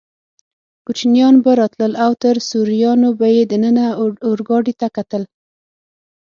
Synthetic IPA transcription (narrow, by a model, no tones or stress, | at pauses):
kut͡ʃnjɑnbaɾɑt̪ləlawt̪əɾsuɾijɑnobajed̪ənənaʊɾɡɑɖit̪akat̪əl